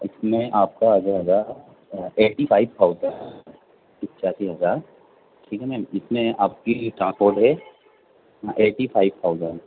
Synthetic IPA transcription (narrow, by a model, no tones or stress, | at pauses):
ɪsmẽʔaːp̚kaɐd͡ʒaɦɐzaːɾ | eːʈipʰaːɪbt̪ʰaːʊzə̃ | pɪkːt͡ʃaːsiɦɐzaːɾ | ʈʰiːkɦɛmɛ̃ːmɪsmẽaːp̚kiʈɾãːspoːɾʈɦɛː | ɦãʔeːʈipʰaːɪʋt̪ʰaːʊzə̃ɳɖ